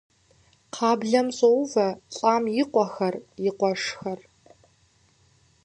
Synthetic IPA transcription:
qʰɑːbɮɐmɕʼowvɐt͡sʼaːmjɪqʷʼɔxɐrjɪqʷɔʂxɐr

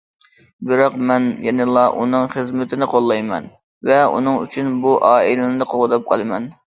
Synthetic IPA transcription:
bɪɾɑqmɛnjɛnɪlˠɑʔṵnɨŋχəzmɪt̪ʰɪnɪqʰolˠːɑjmɛ̰n | vɛṵnɨŋy̰t͡ʃʰynbuʔɑːilɪnɪd̪ɨqʰoʁʊd̪ɑp̚qʰɑlˠɨmɛn

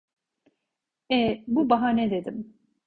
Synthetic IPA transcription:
ɛbubaɦaned̪e̞d̪im

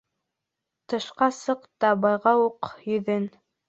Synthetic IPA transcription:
t̪ɤ̆ʃqɑsɤqt̪ɑbɑjʁɑwuqjɵ̆ðɘn

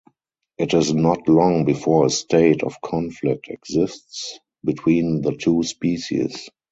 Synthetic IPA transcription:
ʔɪtɪznɔtlɔ̃ŋbifɔːəstʰeɪtʰɔ̰fkʰɔ̃nflɪk̚tʰɛɡzɪsts | bitʰwĩːnðətʰuːspiːʃḭs

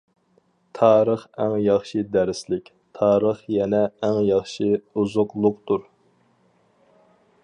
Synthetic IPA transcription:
t̪ʰɑːɾəχæŋjɑχʃɨd̪æɾslɪkʲ | t̪ʰɑːɾəχjɛnɛːŋjɑχʃiuzʊqlˠʊqt̪uɾ

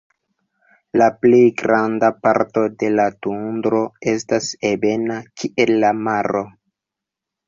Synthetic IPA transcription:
laplejɡɾandapaɾto̞de̞latundɾo̞e̞stasebe̞nakʰiʔe̞lːamaɾo̞

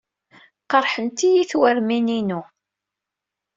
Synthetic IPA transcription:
qəɾˤħənt̪ijiθwæɾmininu

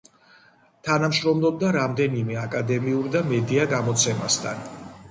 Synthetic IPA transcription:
t̪ʰanamʃɾɔmlˠɔb̚d̪aɾamd̪ɛnimɛakʼad̪ɛmiuɾd̪amɛd̪iaɡamɔt̪sʰɛmast̪ʰa̰n

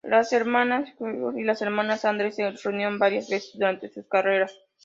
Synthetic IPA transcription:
laseɾmanasosilase̞ɾmãnasand̪ɾesereunjiɾombaɾjazβesezd̪uɾant̪e̞suskare̞ɾas

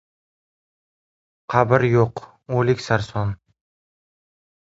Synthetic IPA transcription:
qʰabɪɾjoq | olɪkʲsaɾsɒn

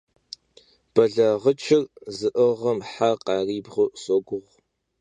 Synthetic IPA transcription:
b̥ɐɮɐʁət͡ʃʰɪrzɨʔəʁɐmħaqɑːriːbʁʷʊsoɡʷʊʁ

